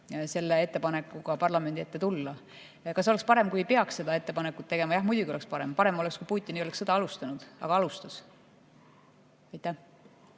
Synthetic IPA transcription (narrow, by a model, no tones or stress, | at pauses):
se̞lːee̞t̪ːe̞pɑne̞kːuɡ̥ɑpɑrlɑme̞nd̪ie̞t̪ːet̪ulːɑ | kɑs̬o̞le̞kspɑɾe̞mkujejpeɑksse̞d̪ɑe̞t̪ːe̞pɑnekːˑut̪ːe̞ɡ̥e̞mɑjɑhmujd̪ʲuɡ̥io̞le̞kspɑɾe̞mpɑɾe̞mo̞lekskujpuːt̪ʲˑːinio̞leksːed̪ɑɑlust̪ɑnud̪̥ɑ̰ɡ̥ɑɑlust̪ɑs | ɑjt̪ːˑæh